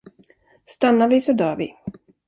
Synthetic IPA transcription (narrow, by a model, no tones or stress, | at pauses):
st̪anːaɾvɪsɔd̪œːɾvɪ̰